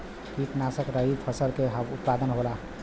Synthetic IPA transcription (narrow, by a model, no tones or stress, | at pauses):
kit̪naːsəkɾəɦipʰəsəɾkeɦəbʊt̪̚paːd̪ənɦoːla